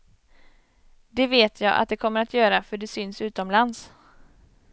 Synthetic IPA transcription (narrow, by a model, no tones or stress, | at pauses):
d̪ɛveːt̪ʰjɑːʔa̰t̪̚d̪ɛkʰɔmːəɾat̪ʰjœːɾafœɖɛsʏnsʉ̟ːt̪ɔmlans